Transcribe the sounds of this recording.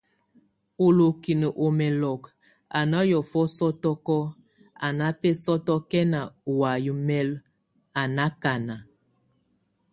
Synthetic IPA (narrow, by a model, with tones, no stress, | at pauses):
o˨lo˨ki˨nə˨ʔo˨mɛ˨lɔ˨k | a˨na˦jɔ˨fɔ˦sɔ˦tɔ˦kɔ˦ | a˨na˦pɛ˦sɔ˦tɔ˦kɛ˦na˨wa˨ju˨mɛ˦l | a˨na˦ka˨na˨